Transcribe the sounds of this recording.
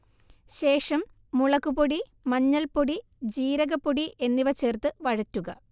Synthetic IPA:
ɕe̞ːʂɐmː | uɭɐkːupoɽi | mɐɲːɐlpoɽi | d͡ʑiːɾɐɣɐpːoɽiʔe̞nːiʋɐt͡ɕe̞ːrt̪ɨʋɐɻɐtːuɣɐ

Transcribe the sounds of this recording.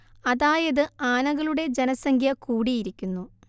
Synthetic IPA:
ɐðaːjɐðɨaːnɐɣɐɭuɽe̞d͡ʑenɐsɐŋɡʱjɐkuːɽijiɾikʲːunːu

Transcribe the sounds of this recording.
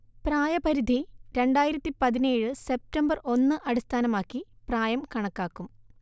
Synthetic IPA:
praːjɐpɐɾid̪ʱiɾe̞ɳɖaːjiɾɐt̪ːipɐðineːɻɨse̞p̚tɐmbɐrʔo̞nːɨʔɐɽist̪ʰaːnɐmaːkːi | praːjɐmkɐɳɐkːaːkːum

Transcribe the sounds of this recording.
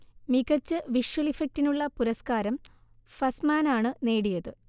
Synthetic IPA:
miɣɐt͡ɕːɨʋiʂwɐlifɐk̚tinuɭːɐpuɾɐskaːɾɐm | fɐsmaːnaːɳɨne̞ːɽijɐðɨ

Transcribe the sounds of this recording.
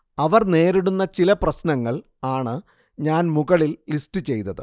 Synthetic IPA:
ɐʋɐrne̞ːɾiɽunːɐt͡ɕilɐprɐɕnɐŋːɐɭ | aːɳɨ | ɲaːnmuɣɐɭilːistɨt͡ɕe̞jt̪ːɐðɨ̰

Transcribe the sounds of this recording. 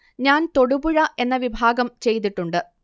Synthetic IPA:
ɲaːnt̪o̞ɽubuɻɐʔe̞nːɐʋibʱaːɡɐmt͡ɕe̞jt̪iʈːuɳɖɨ

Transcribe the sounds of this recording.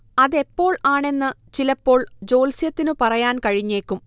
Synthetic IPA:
ɐðe̞pːo̞ːɭaːɳe̞nːɨt͡ɕilɐpːo̞ːɭd͡ʑo̞ːlsijɐt̪ːinɨpɐrɐjaːnkɐɻiɲːe̞ːkʲːum

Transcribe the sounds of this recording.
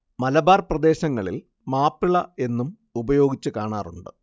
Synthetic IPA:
mɐlɐbaːrprɐd̪e̞ːɕɐŋːɐɭil | maːpːiɭɐe̞nːum | ubɐjo̞ːɡit͡ɕːuɨkaːɳaːruɳɖɨ

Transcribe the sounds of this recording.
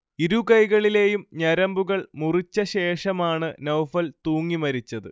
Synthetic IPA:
iɾukɐjɣɐɭile̞ːjumɲɐɾɐmbuɣɐɭmurit͡ɕːɐɕe̞ːʂɐmaːɳɨnɐwfɐlt̪uːŋːimɐɾit͡ɕːɐðɨ̰

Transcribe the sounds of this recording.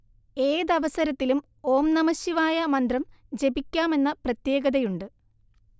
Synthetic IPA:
e̞ːðɐʋɐsɐɾɐt̪ːilum | o̞ːmnɐmɐɕjɐʋaːjɐmɐnd̪rɐmd͡ʑe̞bikʲːaːme̞nːɐprɐt̪je̞ːɡɐðɐjuɳɖɨ

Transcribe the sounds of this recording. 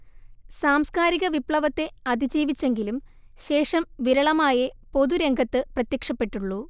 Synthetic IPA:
saːmskaːɾiɣɐʋipɭɐʋɐt̪ːe̞ɐd̪ʱid͡ʑiːʋit͡ɕːe̞ŋɡilum | ɕe̞ːʂɐmʋiɾɐɭɐmaːjɐpo̞ðuɾe̞ŋɡʱɐt̪ːɨprɐt̪jekʂɐpːe̞ʈːuɭːu

